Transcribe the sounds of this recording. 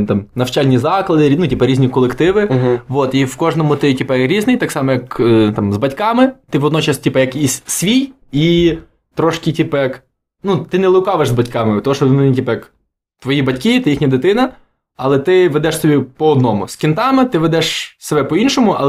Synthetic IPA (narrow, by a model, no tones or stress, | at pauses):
t̪ɑmnɐwt͡ʃɑlʲnʲizɑklˠɐd̪ɪnutʲipɛɾʲizʲnʲikɔlˠekt̪ɪʋɪʋot̪iwkɔʒnɔmʊt̪ɪtʲipɛjɾʲiznɪjt̪ɑksɑmɔjɐkt̪ɑmzbɐtʲkɑmɪt̪ɪʋɔd̪nɔt͡ʃɑstʲipɛjɐkissʲʋʲij | i | t̪ɾɔʃkʲitʲipɛjɐk | nut̪ɪnɛlˠɪwkɑʋeʒzbɐtʲkɑmɪt̪ɔɦɔʃɔmɛnʲitʲipɛjɐk | t̪ʋɔjibɐtʲkʲit̪ɪjixnʲɐd̪ɪt̪ɪnɐ | ɐlˠɛt̪ɪʋed̪ɛʃsɔbʲipɔɔd̪nɔmʊ̰skʲɪnt̪ɑmɪt̪ɪʋed̪ɛʃsebɛpɔinʃɔmʊʔɐ̰lˠ